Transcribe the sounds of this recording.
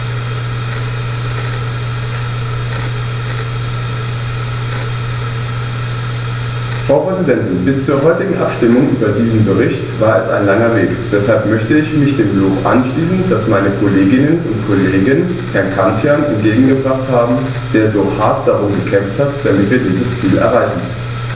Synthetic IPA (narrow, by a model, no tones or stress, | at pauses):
fʁ̥aʊpʁ̥ɛzidɛntɪnbɪst͡suːɐɦɔʏtɪɡŋ̩ʔa̰pʃtɪmʊŋʔy̰ːbɐdiːzn̩bəʁ̞ɪçtv̥aːɐɛsa̰ɪnlaŋɐveːkd̥ɛshalpmœçtəɪçmɪçd̥eːmbloːkʔa̰nʃliːsn̩d̥asmaɪnəkʰoleːɡɪnənʊntkʰoleːɡən | hɛɐnkʰansjanɛ̰nt̚ɡ̥eːɡŋ̩ɡəbʁaχthaːbm̩ | d̥eːɐzoːhaɐt̚d̥aʁʊmɡəkʰɛmfthatd̥amɪtv̥iːɐdiːzəst͡siːlɛ̰ɐʁaɪçn̩